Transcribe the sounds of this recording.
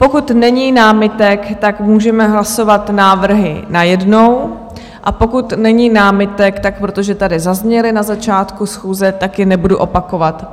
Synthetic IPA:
po̞kut̪nɛɲiːnaːmɪt̪ɛkt̪akmuːʒɛmɛɦlaso̞vat̪naːvr̩ɦɪ̰najɛdno̞w | ʔapo̞kut̪nɛɲiːnaːmɪt̪ɛkt̪ak̚pɾo̞t̪oʒɛt̪adɪzazɲɛlɪnazat͡ʃaːt̪kusxuːzɛt̪akjɛnɛbuduʔo̞pako̞vat̪

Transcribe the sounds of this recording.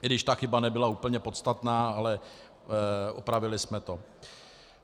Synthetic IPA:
ɪdɪʃt̪axɪbanɛbɪlauːpl̩ɲɛpot̪st̪at̪naːalɛ | ʔo̰pɾavɪlɪsmɛt̪o̞

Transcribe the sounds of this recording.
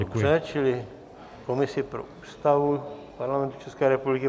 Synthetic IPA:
ɛt͡ʃɪlɪ | komɪsɪpɾo̰ʔuːst̪avupaɾlamɛ̃nt̪u̥t͡ʃɛskɛːɾɛpublɪkɪ

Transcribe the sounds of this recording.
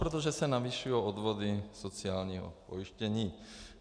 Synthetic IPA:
pɾɔt̪̬oʒɛsɛnaviʃujood̪ʋod̪isot͡siaːlɲiːɦɔ̰po̰jiʃcɛɲiː

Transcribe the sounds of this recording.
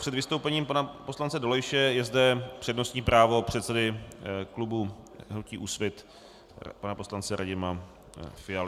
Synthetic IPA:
pr̥ɛd̪vɪst̪owpɛɲiːmpanaposlant͡sɛdolojʃɛjɛzdɛpr̥ɛdno̞st̪ɲiːpɾaːvo̞pr̝̥ɛt̪sɛdɪklubuɦnuciːʔuːsvɪt̪ | panapo̞slant͡sɛɾʔaɟɪma | fɪjalɪ

